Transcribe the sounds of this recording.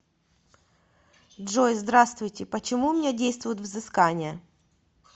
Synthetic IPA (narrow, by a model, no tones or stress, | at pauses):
dʐojzd̪ɾast̪vʊjtʲɪpət͡ɕɪmumʲnʲedʲejst̪vʊjʊt̪vzɨskanʲɪjə